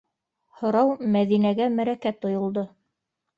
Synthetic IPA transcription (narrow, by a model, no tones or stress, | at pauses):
hŏɾɑwmæðinæɡæmæɾækæt̪ŏjŏlˠd̪o